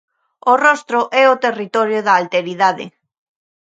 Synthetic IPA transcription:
orɔst̪ɾʊʔɛot̪erit̪ɔɾjʊðɐːlt̪eɾiðaðɪ̰

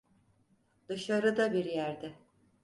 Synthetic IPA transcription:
d̪̥ɯʃaɾɯd̪abiɾjæɾd̪ɪ

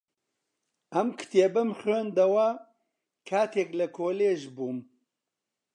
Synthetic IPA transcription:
ɐmkʰɨ̥t̪eːbɐmχeːnd̪ɐwɐ | kʰaːt̪ʰeːklɐkʰoːleːʒbuːm

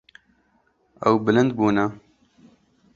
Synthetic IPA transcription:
ɐ̰wbɨlɨnd̪buːnɐ

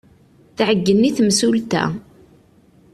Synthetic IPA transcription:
θʕəɡːənːiθmsult̪æ̰

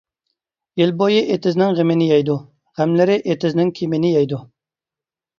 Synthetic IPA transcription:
jilbojiʔet̪ʰɪznɪŋʁɪmɪnɪjɛjd̪u | ʁæmlɪɾɪʔet̪ʰɪznɪŋkʲʰimɪnɪjɛjd̪u

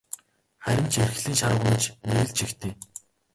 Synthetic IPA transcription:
χæɾʲɪ̆mt͡ɕʰerxɮiːnʃaɾʊ̆ʁʊt͡ɕneɣɘ̆ɮt͡ɕʰixt̪ʰeː

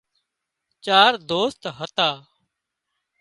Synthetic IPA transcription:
t͡ʃaːɾd̪oːst̪ɦət̪aː

